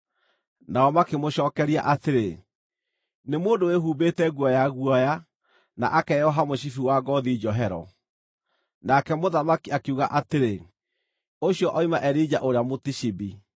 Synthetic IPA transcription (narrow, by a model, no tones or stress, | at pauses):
naɔmakemoɕɔːkɛɾia̰ʔateɾe | nemoːndoweɦuːbetɛɣwɔjaɣwɔja | na̰ʔakɛjɔɦamoɕifiwaɡɔðid͡ʒɔɦɛɾɔ̰ | nakɛmoðamakiakeuɣaʔateɾe | oɕiɔʔɔimaʔɛɾid͡ʒaʔoɾeamotiʃibi